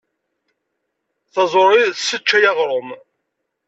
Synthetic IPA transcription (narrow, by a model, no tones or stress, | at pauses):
θɑzˤoɾˤiθsət͡ʃːæjɑʁɾˤom